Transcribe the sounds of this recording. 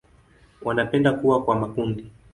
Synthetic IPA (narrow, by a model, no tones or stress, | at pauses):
wanapɛndakuwakwamakundi